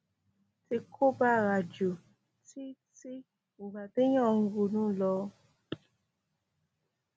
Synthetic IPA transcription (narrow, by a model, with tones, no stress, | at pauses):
ti˧kʰo˦ba˦ɾa˨d͡ʒo˨ | ti˦ti˦ | u˨ba˨de˦j̃ɔ̃˦˨ŋ̩˦ɡu˧nũ˦lɔ˧˦